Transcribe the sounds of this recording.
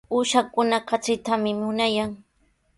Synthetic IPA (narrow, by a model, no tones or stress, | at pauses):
uːʃakʊnakat͡sɪt̪amɪmʊnajaŋ